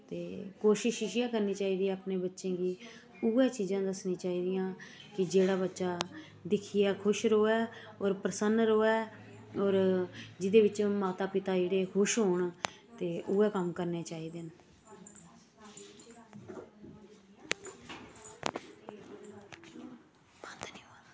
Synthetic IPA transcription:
t̪eːkoːʃɪʃɪʃɪjãːkəɾniːt͡ʃaːiːd̪ijãːəpneːbətːʃẽːɡiː | uːɛːt͡ʃiːzãːd̪əsnĩːt͡ʃaːiːd̪ɪjãːkɪd͡ʒeːɽaːbətːʃaː | d̪ɪkʰiːɛːkʰʊʃɾoːɛː | ɔːɾpɾəsənɾoːɛː | ɔːɾd͡ʒɪd̪eːʋɪt͡ʃmaːt̪aːpɪt̪aːd͡ʒeːɽeːkʰʊʃɦoːɳt̪eːʔuɛːkəmkəɾneːt͡ʃaːiːd̪ɪn | t̪i

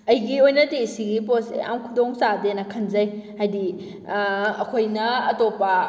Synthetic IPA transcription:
ɐjɡiojnɐtesiɡiposḛa̰mkʰudoŋsadenɐkʰɐnzɐjhajdi | ɐkʰojnɐɐtopːɐ

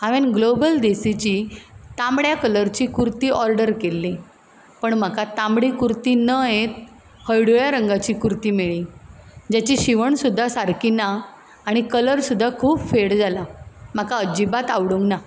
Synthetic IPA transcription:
aʋenɡlobəld̪esit͡ɕiːt̪ãmɽjakələɾt͡ɕiːkuɾt̪iːʔɔɾɖəɾkelːi | pəɳm̤akat̪ambɽikuɾt̪iːnəjet̪̚ | həjɽujaɾəŋɡat͡ɕiːkuɾt̪iːmeɭiːd͡ʑat͡ɕiɕiʋəɳsud̪ʱːasaɾkinaː | ɽ̃ikələɾsud̪ʱːakʰuːpfeɽd͡zalam̤akaəd͡ʑibat̪aʋɽũŋɡna

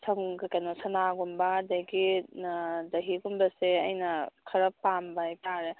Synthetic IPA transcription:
sʰɐŋɡɐkɐnɔsɐnaɡumbadɐjɡi | dɐɦiɡumbɐseɐ̰jnɐkʰɐɾɐpambajkaɾe

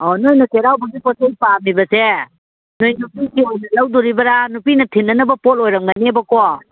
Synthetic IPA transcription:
ɔnojnɔkeɾawbɐɡipɔsejpamibɐse | nojnupikiojnɐlɐwduɾibɐɾanupinɐtʰinːɐnɐbɐpolojɾɐmɡanebɐkɔ

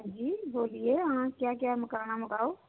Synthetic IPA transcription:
d͡ʒiːboːlieɦãkjakjaɦməkaːɽ̃aməkaːo

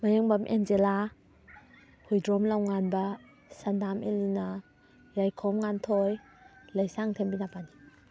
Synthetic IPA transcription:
majaŋbamʔenzela | hujdɾɔmlawŋanbɐ | sandamelina | ɾajkʰɔmŋantʰɔj | lajsaŋtʰembinapani

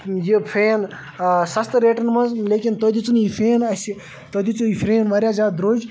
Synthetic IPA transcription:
jipʰeːn | sɐst̪ɾeːʈɐnmɐzleːkʲint̪oːd̪it͡sunjifʰeːnɐsi | t̪od̪it͡suifʰɾeːnʋaɾʲjaːzaːd̪ɾoːd͡ʒ

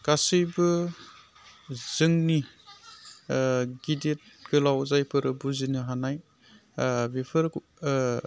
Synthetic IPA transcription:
kasɯjbɯ | z̥ɯŋni | ɡidet̚ɡ̥ɯlawzajpʰɯɾɯbuzinɯɦanaj | bipʰɯɾ

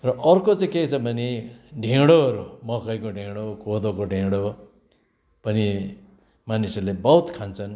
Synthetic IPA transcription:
rʌʔʌrkot͡sãket͡sʰʌbʱʌneɖʱẽɽoʌɾumʌkʌjkoɖʱẽɽokod̪okoɖʱeɽo | pʌni | manisʌrlebʌwt̪kʰant͡sʰʌn

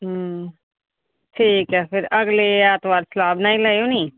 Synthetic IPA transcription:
ɦ | ʈʰiːkɛːpʰɪɾəɡleaːt̪ʋaːɾsəlaːbnaːĩːlaːoːniː

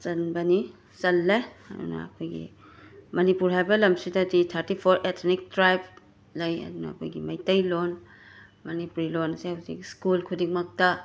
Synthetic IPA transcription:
sɐnbɐni | sɐlːeɐ̰dṵnɐ̰ːkʰojɡḭ | mɐnipuɾɦajbɐlɐmsidɐditʰɐɾtipʰoɾʔetʰnik̚tɾajb̚ | lɐjɐ̰dunɐ̰ɐ̰kʰo̰jɡimɐjtɐjlon | mɐnipuɾilonɐsihawsḭkskulkʰudik̚mɐk̚tɐ

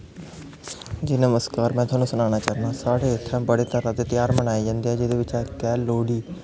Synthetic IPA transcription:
d͡ʒɪnəməskaːɾmɛ̃ːt̪ʊwaːnũːsʊnaːnaːt͡ʃaːɾnãːsaːɽeːɪt̪ʰːãːbəɽeːt̪əɾãːd̪eːt̪ɪjaːɾmənaːiːd͡ʒãːnd̪iːɦɛːd͡ʒɪd̪eːʋɪt͡ʃɛːkɛːloːɽiː

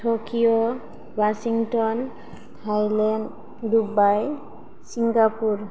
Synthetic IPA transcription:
tʰokʰijo | wasiŋtɔn | tʰajlɛn | dubaj | siŋɡapuɹ

